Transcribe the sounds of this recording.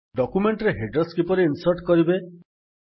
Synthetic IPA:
ɖɔkumeɳʈɾeɦeɖɾɔskipɔɾiːnsɔɾʈkɔɾibe

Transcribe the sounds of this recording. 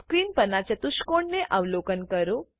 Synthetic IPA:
kɾinpənat͡ʃət̪uʃkoɳneʔaʋlokənkəɾo

